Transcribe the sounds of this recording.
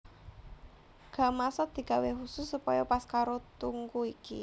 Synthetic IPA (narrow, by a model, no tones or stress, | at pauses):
ɡ̥ä̤masad̪̥i̤ɡ̥a̤weɦusʊsːupɔjɔpaskaɾot̪uŋɡuikḭ